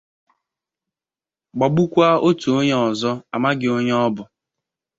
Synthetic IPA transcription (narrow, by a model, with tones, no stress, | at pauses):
ɡ͡ba˨ɡ͡bu˦kʷa˦o˦tu˨o˦ɲe˦ɔ˨zɔ˦a˨ma˦ɡɪ˨o˦ɲe˦ɔ˦bʊ˨